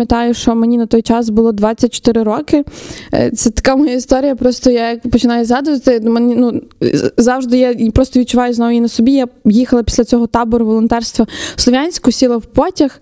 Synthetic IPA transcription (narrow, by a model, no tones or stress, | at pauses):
ɐt̪ɑjʊʃt͡ʃɔmenʲinɐt̪ɔjt͡ʃɑsbʊlˠɔd̪ʋɑt͡sʲːɐt̚ʲt͡ʃɔ̥t̪ɪɾɪɾɔkɪ̰ | t̪sɛt̪ɐ̥kamɔjaɪst̪ɔɾʲijɐpɾɔst̪ɔjajɐkpɔt͡ʃɪnɑjʊzɦɑd̪ʊʋɐt̪ɪmɛnʲinu | zɑwʒd̪ɪjapɾɔst̪ɔʋʲid̪̚t͡ʃʊʋɑjʊznɔʋinɐsɔbʲijajixɐlˠɐpʲi̥sʲlʲɐt͡sʲɔɦɔt̪ɑbɔɾʊʋɔlˠɔnt̪ɛrst̪ʋɐslˠɔʋʲjanʲsʲkʊsʲilˠɐwpɔtʲɐx